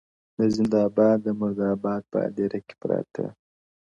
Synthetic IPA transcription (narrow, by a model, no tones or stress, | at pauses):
d̪əzɪnd̪ɑbɑd̪d̪əmʊɾd̪ɑbɑd̪̚pə̰a̰d̪eɾake̥pɾɑ̰t̪ʰə̰